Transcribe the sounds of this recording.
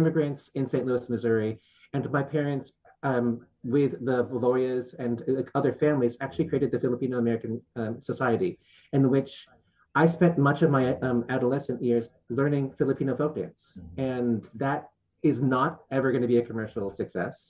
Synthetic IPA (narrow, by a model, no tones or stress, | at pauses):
ɪmɨɡɹɨ̃ntsɨ̃nsẽɪ̃ʔluɨsmɨzʊɹi | ɨ̃nmaɪpʰɛɹɨ̃nts | wɪðəvəlɔɹiɨzɨ̃nʌðə˞fæ̃mlizæk̚t͡ʃʉl̩ˠikɹ̥ieɪɾɨd̪̚ðɨfɪlˠəpĩnoʊəmɛɹɨkɨ̃n̩səsaɪɨɾi | ɨ̃nwɪt͡ʃ | aɪspɛ̃nʔmʌt͡ʃʌvmaɪæɾəlɛsɨ̃nʔjɪɹz | lɜ̃˞nɪ̃ŋfɪlˠəpʰĩñoʊfoʊt̚d̥æ̰̃nsɨ̃nðɨɾ | ɪznəɾɛvə˞ɡʌ̃ñɨbiɨkʰəmɜ˞ʃl̩ˠsɨksɛ̰s